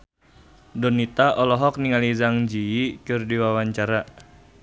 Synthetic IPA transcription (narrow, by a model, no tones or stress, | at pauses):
dɔnit̪aʔɔlɔɦɔk̚niŋalizaŋd͡ʒiːt͡ʃʊrdiwawaɲt͡ʃaɾa